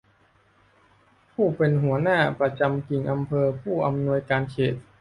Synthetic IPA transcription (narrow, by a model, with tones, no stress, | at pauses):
pʰuː˥˩pe˧nɦu˩˦ɐnaː˥˩pɾa˧t͡ɕa˧mki˨˩ŋʔa˧mpʰɤː˧pʰuː˥˩ʔa˧mnu˧əjkaː˧nkʰeː˨˩t̪̚